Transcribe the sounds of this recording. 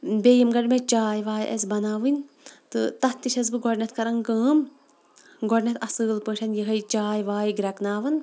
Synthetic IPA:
bʲeːjɐmɡɐɖmet͡ʃaːjʋaːjʔɐ̰sʲbɐnaːʋɨnʲ | t̪ɨ̰t̪ɐht̪ːiʃɐzbɨɡɔɖnʲɐt̪ʰkɐɾɐŋkəːm | ɡɔɖnʲɐt̪ʰɐsɨːlpə̃ːʈʰɐnjɐɦɐjt͡ʃaːjʋaːjɡɾɐknaːʋɐn

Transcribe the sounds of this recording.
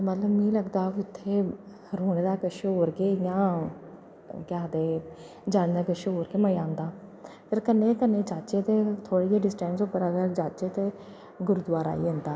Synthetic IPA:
mət̪ləbmĩːləɡd̪aːʋiʊt̪ʰːeː | ɾuːneːd̪aːkəʃeɦoːɾkeːjãː | kaːd̪eː | d͡ʒaːnːd̪aːkəʃeɦoːɾkeːməãːnd̪aːpəɾkənːeːkənːeːt͡ʃaːt͡ʃeːt̪eːt̪ʰoːɽiːeːɖɪsʈɛ̃ːnsoːpːəɾəɡəɾd͡ʒaːt͡ʃeːt̪eː | ɡʊɾʊd̪ʋaːɾa̰ːḭːə̃nd̪aː

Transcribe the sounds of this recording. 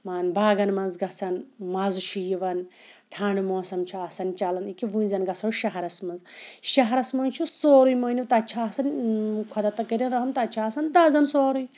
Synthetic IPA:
maːnbaːɡɐnmɐnzɡɐsɐnmɐzuʃʰujiʋɐn | ʈʰaːɳɖumoːsɐmt͡ʃʰuaːsɐnt͡ʃɐlɐnikiʋuːnzɐnɡɐsɐwʃɐɦɐɾɐsmɐnzʃɐɦɐɾɐsmɐnʲt͡ʃʰusoːɾujmɐniwt̪ɐt͡ʃʰaːsɐnkʷʰɐd̪ɐt̪ɐkɐɾʲinɾɐɦɐmt̪ɐt͡ʃʰaːsɐnd̪ɐːzɐnsoːɾuj

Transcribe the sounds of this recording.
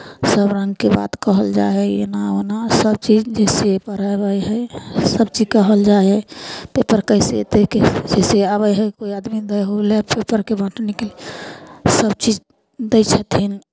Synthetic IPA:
səbɾə̃ŋɡkeba̰t̪kəɦəld͡ʒa̰ɛḛnaonasəb̚t͡ʃid͡ʒd͡ʒɛsepəɾabəjɦəsəb̚t͡ʃid͡ʒkəɦəld͡ʒaɛpepəɾkəsḛt̪eked͡ʒɛseabəjɦəjkoiad̪mid̪əjɦolepepəɾkebʱə̃ʈnikeli | səbt͡ʃid͡ʒ | d̪əɪt͡ʃʰət̪ɦin

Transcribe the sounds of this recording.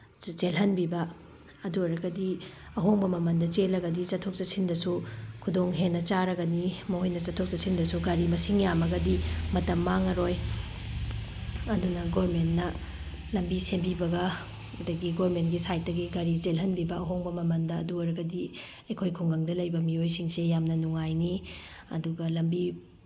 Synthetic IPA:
t͡ʃelɦɐnbibɐ | ɐduɐɾɐɡɐdiɐɦoŋbɐmɐmɐndɐt͡ʃelɐɡɐdit͡ʃɐtʰːok̚t͡ʃɐsʰindɐsukʰudoŋɦenːɐt͡ʃaɾɐɡɐnimɐɦojnɐt͡ʃɐtʰːok̚t͡ʃɐsʰindɐsuɡɐɾimɐsiŋjamɐɡɐdimɐtɐmːaŋɐɾoj | ɐdunɐɡoɾmentnɐ | lɐmbisembibɐɡɐ | dɐɡiɡoɾmentɡisajt̚dɐɡiɡɐɾizelɦɐnbibɐɐɦoŋbɐmɐmɐndɐːduɐɾɐɡɐdi | ekʰojkʰuŋɡɐŋdɐlɐjbɐmiojsiŋsejamnɐnuŋajni | ɐ̰duɡɐlɐmbi

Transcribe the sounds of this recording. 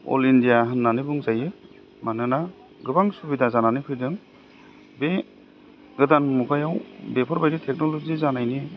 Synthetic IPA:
ɔ̰lindijaɦɯnːanibuŋzajɯ | manɯna | ɡɯbaŋsubidazananikʰɯjdɯŋ | be | ɡɯdanmukʰajawbepʰɔɾbajɾitʰek̚nɔlɔzizanajni

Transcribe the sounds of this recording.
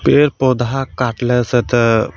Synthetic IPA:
peɾpod̪akaʈləsət̪ə

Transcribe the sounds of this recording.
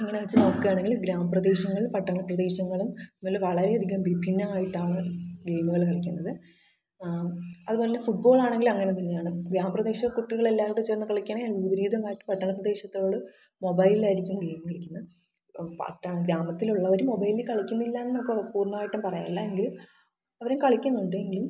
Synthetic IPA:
ɐŋːɐneʋɐt͡ɕːɨnokːɐjaːɳe̞ŋɡilɡɾaːmɐprɐd̪e̞ːɕɐŋːɐɭumpɐʈːɐɳɐprɐd̪e̞ːɕɐŋːɐɭummoːlːeʋɐɭɐɾe̞ɐd̪ʱiɣɐmbipʰinːɐaːjiʈːaːɳɨɡe̞ːmuɣɐɭkɐɭɐkʲːunːɐðɨ | ɐ̰ðupoːlɲːefuʈ̚bo̞ːɭaːɳe̞ŋɡilumɐŋːɐnet̪ɐnːjaːɳɨɡɾaːmɐprɐd̪e̞ːɕɐkuʈːiɣɐɭelːaːʋiɽut͡ɕeːrnːɨkɐɭikʲːɐɳeʋibɐɾiːd̪ʱɐmaːjiʈːumpɐʈːɐɳɐprɐd̪eːɕɐt̪ːoːoɭːɨ | mo̞bɐjlilaːjiɾikʲːumɡe̞jmkɐɭikʲːunːɐ | pɐ̰ʈːɐɡɾaːmɐt̪ːiluɭːɐʋɐɾumo̞bɐjlilkɐɭikʲːunːilːaenːɐkːɐpuːrnɐmaːjiʈːumpɐrɐjaːlːɐeŋɡilum | ɐʋɐɾemkɐɭikʲːunːuɳɖɨe̞ŋɡilum

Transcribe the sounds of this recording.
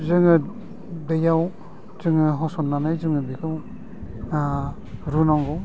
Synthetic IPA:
zɯŋɯ | dɯjaw | z̥ɯŋɯɦɔsɔnːanajzɯŋɯbikʰɯw | ɾunaŋɡɔw

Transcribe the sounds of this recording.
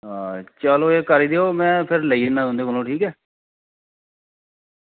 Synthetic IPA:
ɦãːt͡ʃaːloːeːkəɾiːd̪eːoːmɛ̃ːpʰɪɾləiːnaːɦõːnd̪eːkolõːʈʰiːkɛː

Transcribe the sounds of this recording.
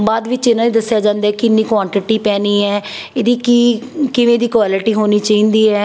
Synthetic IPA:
baːd̪ʋɪt͡ʃɪnãːniːd̪əsɪjaːd͡ʒãːnd̪aːɛkɪɪnːĩːkʋãːɳʈɪʈiːpɛːniːɛːeːd̪iːkiːkɪʋẽːd̪iːkʋaːlɪʈiːɦoːniːt͡ʃaːĩːnd̪iːɦɛː

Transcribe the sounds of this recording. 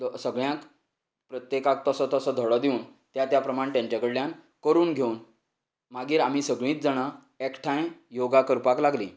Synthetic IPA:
səɡɭjãk | pɾət̪jekak̚t̪əsɔt̪əsɔd̪ʱəɭɔd̪iuːn | t̪jat̪japɾəmaɳt̪jãɲt͡ɕakəɽljan | kəɾuːnɡʱeun | maɡiːɾam̤iːsəɡɭĩːt̪̚d͡zəɽ̃a | ekʈʰãj̃joɡakəɾpaklaɡliː

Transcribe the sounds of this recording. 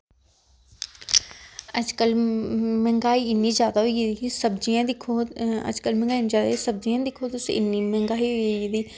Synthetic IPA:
əd͡ʒkəlmɛ̃ŋɡaːiːɪnːiːzjaːd̪aːɦoid̪isəbd͡ʒijãd̪ɪkʰoə̰d͡ʒkəlmɛ̃ŋɡaːinizjaːd̪aisəb̚d͡ʒijãːd̪ɪkʰoːt̪ʊsʔɪ̰nːiːmɛ̃ŋɡaːiːɦod̪iː

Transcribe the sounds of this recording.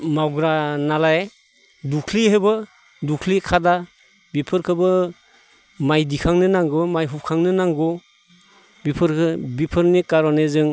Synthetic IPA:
mawɡɾanala | dukʰliɦebɯ | dukʰlikʰada | bipʰɯɾkʰɯbɯ | majdikʰaŋnɯnaŋɡɯmajɦup̚kʰaŋnɯnaŋɡɔ | bipʰɯɾkʰɯbipʰɯɾnikaɾɔnezɯŋ

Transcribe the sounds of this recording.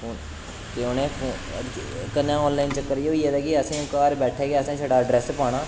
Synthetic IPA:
oːn | keonẽːpʰoː | kənãːɔːnlaːɪnt͡ʃəkːəɾjoieːd̪ɛːkiəsẽːkaːɾbɛːʈʰeːɡeːsẽːʃʰəɽaːɖɾɛːspaːɽ̃ɳãː

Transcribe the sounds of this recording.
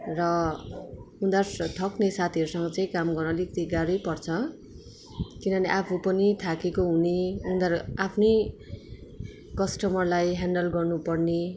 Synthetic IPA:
rʌ | und̪art̪ʰʌknesat̪ʰiʌɾusʌŋɡʌt͡saĩkamɡʌrnʌlikt̪iɡaɾʌjpʌrt͡sʰʌ | kinʌneʔapʰupʌnit̪ʰakekoɦuniund̪arapʰne | kʌsʈʌmʌrlajɦaɳɖʌlɡʌrnupʌrne

